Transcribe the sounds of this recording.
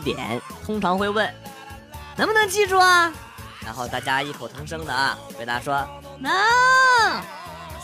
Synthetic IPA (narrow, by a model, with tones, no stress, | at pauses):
t̪jɛ̰˨˩˦nt̪ʰʊ˥ŋʈ͡ʂʰɑ˧˥ŋxwe˥˧ɪwə˥˩n | na˧˥nmə˧nɤ˧˥ŋt͡ɕi˥˧ʈ͡ʂu˥˩ɐ˩ | ɻa̰˧˥nxo˥˧ʊt̪ʰa˥˩t͡ɕja˥i˥˩kʰo˨˩ʊt̪ʰɑ˧˥ŋʂɤ˥ŋd̪ə˨ɐ̰˩t̪e˥˧˩ɪt̪ʰa˥˩ʂwɔ˥ | na˥